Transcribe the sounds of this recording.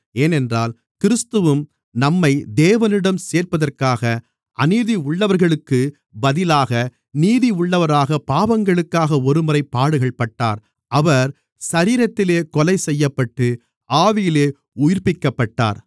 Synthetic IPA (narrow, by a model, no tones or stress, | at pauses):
eːnɛndraːl | kɪɾɯst̪ɯʋɯm | nɐmːɐɪd̪eːʋɐnɪɽɐmseːrpɐðɐrkaːɣɐ | ʔɐniːðiʊɭːɐʋɐɾɣɐɭɯkːɯ | bɐðɪlaːɣɐ | niːðiʊɭːɐʋɐɾaːɣɐpaːʋɐŋɡɐɭɯkːaːɣɐɔɾɯmɯɾɐɪpːaːɽɯɣɐɭpɐʈːa̰ːɾ | ʔɐʋɐɾ | sɐɾiːɾɐt̪ːɪleːkɔlɐɪsɛjːɐpːɐʈːɯ | ʔaːʋɪjɪleː | ʊjɪɾpɪkːɐpːɐʈːa̰ːɾ